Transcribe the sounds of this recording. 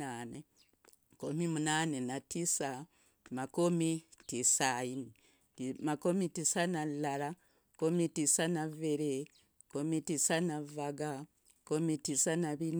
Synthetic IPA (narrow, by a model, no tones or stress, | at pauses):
aːne | komimunaːnenatisa | makomitisaini | makomitisanalːala | komitisanaveɾe | komitisanavaɡa | komitisanaβin